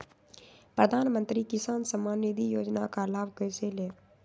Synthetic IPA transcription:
pɾəd̪ʱaːnmə̃nt̪ɾikɪsaːnsəmaːned̪ijoːd͡ʒnakalaːbkəjseleː

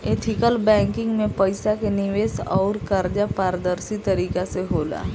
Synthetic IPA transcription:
eːt̪ʰɪkəlbɛ̃ːŋkɪ̃ŋɡmẽpəɪsakenɪʋeːsɔːɾkɐɾd͡ʒapaːɾəd̪əɾsit̪ɐɾiːkaseɦoːla̰ː

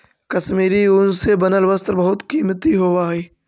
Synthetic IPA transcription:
kɐʃmiːɾiʊnsebɐnəlʋəst̪ɾbɐɦʊt̪kiːmt̪iɦoːʋaːiː

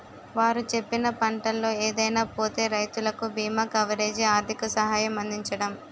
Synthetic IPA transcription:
ʋaːɾut͡ʃe̞pːinɐpɐɳʈɐllo̞ːeːd̪ɐjnaːpo̞ːt̪e̞ːɾɐjt̪ulɐkubʱiːmaːkɐʋɐɾe̞ːd͡ʒiaːɾd̪ʱikɐsɐɦaːjɐmɐnd̪iɲt͡ʃɐɽɐm

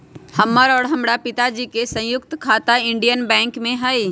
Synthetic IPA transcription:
hɐmːəɾɔːɽɦɐmɽapɪt̪ad͡ʒiːkesɐ̃jʊkt̪kʰaːt̪aɪ̃ɳɖijənbɛ̃ːŋkmẽɦəi

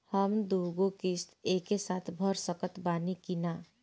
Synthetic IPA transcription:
həmd̪oːɡokist̪ʰeːkesaːt̪ʰbʱəɾsəkət̪baːnikinaː

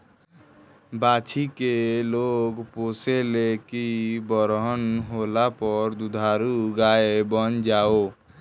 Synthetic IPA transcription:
baːt͡ʃʰikeloːɡpoːselekibəɾɦənɦoːlapəɾd̪ud̪ʱaːɾuɡaːebənd͡ʒaːo

